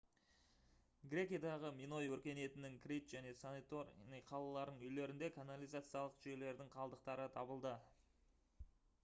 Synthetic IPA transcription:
ɡɾʲe̞kʲijad̪ɑʁəmino̞jwɵɾkʲe̞ne̞t̪ɪnɪŋkrʲijt̪ʒ̥æne̞sanit̪orniqʰɑlˠɑlˠɑɾnəŋʏjle̞ɾɪnd̪ekʰanalʲijzat̪sɨjɑlˠəqʒʏje̞le̞ɾd̪ɪŋqʰɑlˠd̪əq̚t̪ɑɾət̪ʰɑbəlˠd̪ə

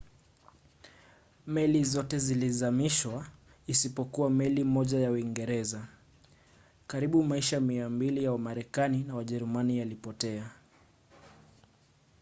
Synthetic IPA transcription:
mɛlizɔtɛzilizamiʃwa | isipɔkuwamɛlimɔʄajawiŋɡɛɾɛza | kaɾiɓumaiʃamiambilijawamaɾɛkaninawaʄɛɾumanijalipɔtɛa

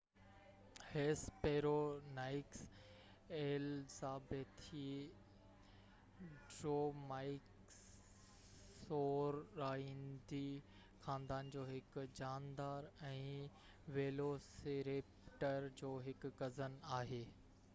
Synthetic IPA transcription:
heːspeːɾoːnaːɪks | eːlsaːbet̪ʰi | ɖɾoːmaːɪk | soːɾaːɦĩːnd̪i | xãːnd̪aːnd͡ʑoːɦɪkd͡ʑaːnd̪aːɾɛ̃ː | ʋeːloseːɾeːpʈəɾd͡ʑoːɦɪkɡɐzənaːɦeː

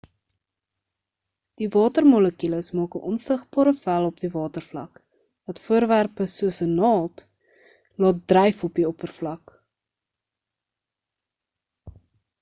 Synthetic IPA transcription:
d̥ivɑːtərmɔləkiləsmɑːkəʔɔnsəχbɑːɾəfælˠɔpdivɑːtərflɐ̰k | vɐtfuəɾværpəsuəsənɑːlˠt | lɑːt̚drɛjfɔpiɔpərflɐk

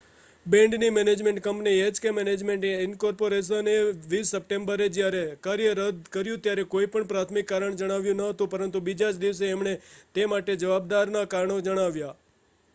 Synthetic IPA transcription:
bɛ̃ɳɖnimɛned͡ʒmẽɳʈ̚kəmpnied͡ʒkemɛned͡ʒmeɳʈeɪnkɔɾpoɾes̬əneʋisːəp̚ʈembəɾed͡ʒjaɾekaɾjəɾəd̪kəɾjũt̪jaɾekoipəɳpɾat̪ʰmikːaɾəɳd͡ʒəɽ̃aʋjũnəɦət̪ũpəɾənt̪ubid͡ʒat͡ʃd̪iʋs̬eːmɳet̪emaʈed͡ʒəʋab̚d̪aɾnakaɾəɳod͡ʒəɽ̃aʋja

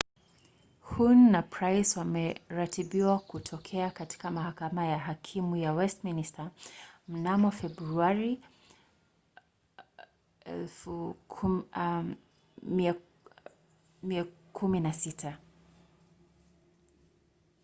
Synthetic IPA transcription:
hunːapʰɹajswamɛɾatʰibiwakutʰɔkʰɛakati̥kamahakamajaɦakʰimujawɛstministam̩namɔfɛbɾuaɾi | ɛlfu | ia | miakʰuminasitʰa

